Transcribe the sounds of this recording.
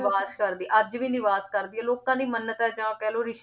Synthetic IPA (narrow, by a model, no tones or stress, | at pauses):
ʋaːskəɾd̪iːʔəd͡ʒʋiːnɪʋaːskəɾd̪iːɛːloːkãːd̪iːmənːət̪ãːd͡ʒãːkɛːloːɾɪʃ